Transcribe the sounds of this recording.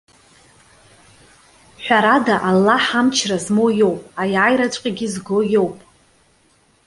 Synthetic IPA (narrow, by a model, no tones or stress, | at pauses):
ħʷᶣaɾadaʔalːaħamt͡ʃʰrazmojo̞wpʼajajɾat͡ʃʷʼqʲʼaɡʲizɡo̞jo̞wpʼ